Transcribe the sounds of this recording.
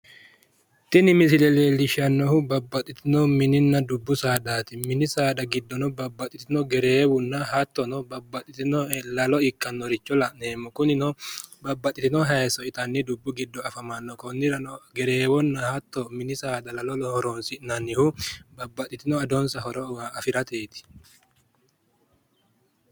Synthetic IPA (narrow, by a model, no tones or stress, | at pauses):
t̪ɪnɪmɪsɪlɛleːlɪʃɐnːɔhʊbɐbːɐt̪ʼːɪt̪ɪnɔmɪnɪnːɐd̪ʊbːʊsaːd̪aːt̪ɪmɪnɪsaːd̪ɐɡɪd̪ːɔnɔbɐbːɐt̪ʼɪt̪ɪnɔɡɛɾeːwʊnːɐɦɐt̪ːɔnɔbɐbːɐt̪ʼɪt̪ɪnɔlɐlɔɪkʼːɐnːɔɾɪt͡ʃːɔlɐneːmːɔkʊnɪnɔbɐbːɐt̪ʼːɪt̪ɪnɔɦɐjɛsɔɪt̪ɐnːɪd̪ʊbːʊɡɪd̪ːɔɐfɐmɐnːɔkɔnːɪɾɐnɔɡɛɾeːwɔnːɐhɐt̪ːɔmɪnɪsaːd̪ɐlɐlɔlɔhɔɾɔnsɪnɐnɪhʊbɐbːɐt̪ʼɪt̪ɪnɔɐd̪ɔnsɐɦɔɾɔwaɐfɪɾɐt̪e̞ːt̪ɪ̥